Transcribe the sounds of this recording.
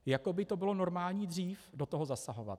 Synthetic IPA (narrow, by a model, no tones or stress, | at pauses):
jako̞bɪt̪o̞bɪlo̞no̞ɾmaːlɲiːdr̝iːfdo̞t̪oɦo̞zasaɦo̞va̰t̪